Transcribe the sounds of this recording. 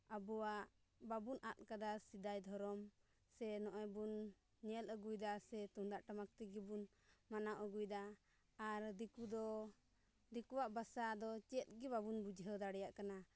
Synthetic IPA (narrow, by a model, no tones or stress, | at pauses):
abuwaʔ | babunʔat̪̚ˀkad̪asid̪ajd̪ʱɔɾɔm | sɛnɔʔɔjbun | ɲɛləɡujd̪asɛt̪uŋd̪aʔʈamak̚t̪iɡɛbun | manawʔəɡujd̪aː | ɾd̪ikud̪ɔ | d̪ikuwaʔbasad̪ɔt͡ʃɛt̪̚ɡɛbabunbud͡ʒʱɦɛwd̪aɽɛjaʔkana